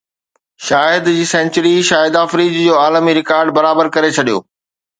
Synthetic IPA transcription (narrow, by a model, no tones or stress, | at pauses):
ʃaːɦɪd̪d͡ʑiːsɛ̃ːnt͡ɕəɾiʃaːɦɪd̪aːfɾiːd͡ʑd͡ʑoːaːləmiɾɪkaːɾɖ̚bɐɾaːbəɾkɐɾet͡ɕʰɐɗijo̰ː